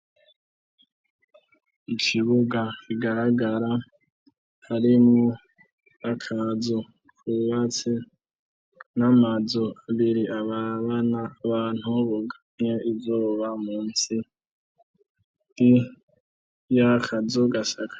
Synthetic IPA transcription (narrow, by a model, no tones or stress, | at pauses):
ikʰiβuɡakiɡahaɡaɾa | haɾimŋo | akʰazo | kuβat͡se | namazoaβiɾiʔaβaβanaβaːn̥huβoɡaɲɲeivoβamuːnsi | di | jakʰazoɡasakʰḁ